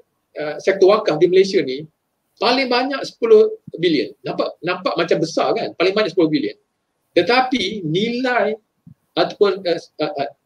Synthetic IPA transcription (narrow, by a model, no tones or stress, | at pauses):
əsɛk̚t̪ɔwakahdiməlesiani | palɪŋbaɲak̚sə̥pulʊhbiliə̰nːãmpaʔnãmpaʔmat͡ʃambəsakanpalɪŋbaɲaʔsəpulʊhbiliə̰n | t̪ət̪apinĩlaj | at̪ḁpʊnəəʔə